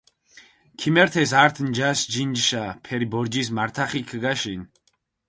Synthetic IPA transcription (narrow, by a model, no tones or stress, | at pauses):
kʰimɛɾt̪ʰɛsaɾt̪ʰnd͡ʒasd͡ʒind͡ʒʃapʰɛɾibɔɾd͡ʒismaɾt̪ʰaχikʰɡaʃin